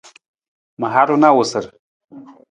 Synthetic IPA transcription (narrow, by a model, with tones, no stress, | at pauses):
ma˨ɦa˦ɾu˦na˦wosə˨ɾ